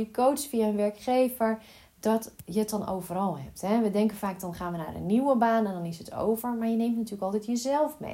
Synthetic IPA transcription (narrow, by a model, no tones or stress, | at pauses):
ikowsfiaənʋɛɹkχeːvəɹ | dɔtjət̚dɔno̰wvərɔlˠɦɛ̰p̚tɦɛʋədɛŋkənfaːk̚dɔnχaːnʋəna̰ːrə̰nːiwəbaːnɛndɔnɪsətʰo̰wvəɹmaɹjəneːmtnatyːləkɔlˠtɛtjəzɛlˠfmḛ